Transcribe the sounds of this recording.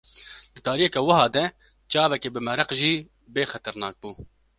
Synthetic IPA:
d̪ɨt̪ɑːɾijɛkɛːwɐhɑːd̪ɛ | t͡ʃɑːbɛkeːbɨmɛɾɐqʒiː | beːxɛt̪ɛɾnɑːk̚buː

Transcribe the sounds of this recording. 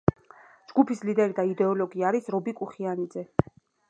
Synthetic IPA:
d͡ʒɡupʰislid̪ɛɾid̪aid̪ɛɔlɔɡiaɾisɾɔbikʼuχianid̪zɛ

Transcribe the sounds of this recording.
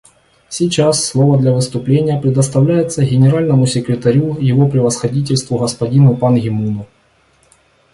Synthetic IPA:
sʲit͡ɕasːlˠo̞vəd̪lʲɐvɨst̪ʊplʲenʲɪjəpɾʲɪd̪əst̪ɐvlʲæjɪt̪səɣʲɪnʲɪɾalʲnəmʊsʲɪkɾʲɪt̪ɐɾʲujɪvopɾʲɪvəsxɐdʲit̬ʲɪlʲst̪vʊɣəspɐdʲinʊpanɣʲɪmunʊ

